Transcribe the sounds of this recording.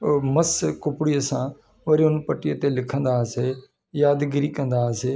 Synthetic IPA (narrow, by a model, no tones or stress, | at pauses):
məskʊpɽiːəsãː | ʋəɾiʊnpəʈːɪet̪eːlɪkʰə̃nd̪aːseː | jaːd̪ɡɪɾiːkə̃nd̪aːseː